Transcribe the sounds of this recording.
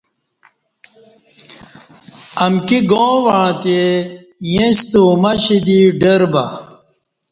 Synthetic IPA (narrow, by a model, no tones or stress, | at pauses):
ɐmkiɡõːwaɻ̃t̪e | jẽst̪uːmɐɕid̪iɖɐɾbɐ̰